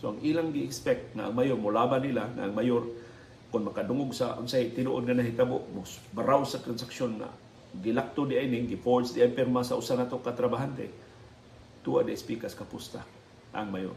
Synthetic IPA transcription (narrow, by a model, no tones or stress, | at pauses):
soʔaŋʔiːlaŋɡɪɪkspɛk̚t̪̚ŋaʔaŋmajormʊlaːbanːilaŋa̰ʔːŋmajoɾ | kʊnmɐkad̪ʊŋʊɡsaʔʊnsahiʔt̪ɪnuʔʊd̪̚ŋanaɦit̪abʊʔmosbaɾawsat̪ɾansaksjonŋa̰ | ɡɪlak̚t̪odɪʔaʔinɪŋɡɪpoɹsd̪ɪʔapɛɾmasaʔʊsanat̪okat̪ɾabaɦant̪ḛ | t̪uʔa̰d̪ɪaspikaskapʊst̪a̰ | a̰ŋmajo̰r